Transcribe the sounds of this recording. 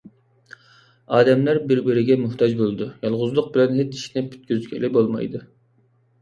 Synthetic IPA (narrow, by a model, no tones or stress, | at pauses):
ɑːd̪ɛmlæɾbɪɾbɪɾɪɡʲɛmuht̪ʰɑd͡ʒbolˠɨd̪ujɑlˠʁʊzlˠʊq̚bɪlɛnɦet͡ʃiʃnɪpʰy̥t̪̚kʲyzkʲʰɛlɪbolˠmɑ̰jd̪ɨ